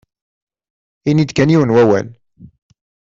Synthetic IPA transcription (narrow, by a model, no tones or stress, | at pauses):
inid̪kæniwənwæwæ̰l